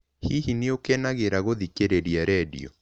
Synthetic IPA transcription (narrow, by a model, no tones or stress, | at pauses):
hiɦineokɛnaɣeɾaɣoðikeɾeɾiaɾɛdḭɔ̰